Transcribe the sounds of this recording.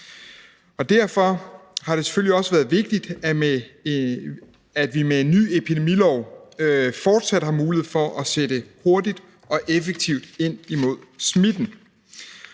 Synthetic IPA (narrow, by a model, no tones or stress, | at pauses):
ɒ̽d̥æɐ̰fɒ̽hɑ̈ɾe̝se̥føliɒ̽səʋæːɐð̞̩ˠʋe̝ɡ̥̚d̥id̥ | æd̥ʋimee̝nːy̰ːepʰid̥emilɒʊ̰ | fɒːd̥sæd̥hɑ̈muːlieð̩ˠfɒ̽ʔæseɾ̥əho̝ɐdid̥ | ɒ̽ʔefeɡ̥̚t͡sʰiʊ̰d̥e̝n̰imo̝ð̞̰ˠsmid̥n̩